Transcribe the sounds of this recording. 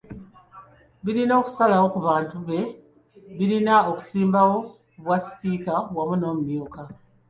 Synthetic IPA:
βiɾino̞ːku̥salawo̞kuβaːntuβe̞ | βiɾinaoku̥siːmbawo̞ | βwasi̥piːkawamuno̞ːmumjuːka

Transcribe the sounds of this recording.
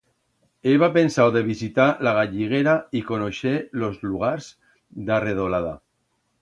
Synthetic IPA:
eβapensawðeβizit̪alaɣ̞aʎiɣeɾaikonoʃelozluɣ̞aɾz | d̪areð̞olaða

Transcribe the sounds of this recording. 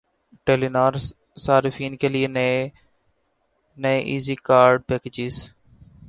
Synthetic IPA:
ʈeːlinaːɾ | saːɾɪfiːnkelien | neʔiːziːkaːɾɖ̚peːked͡ʒɪz

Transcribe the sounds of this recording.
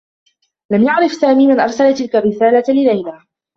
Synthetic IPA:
lamjaʕɾɪfsaːmiːmɪnʔɑɾˤsalat̪ɪlkarːɪsaːlalɪlajlaː

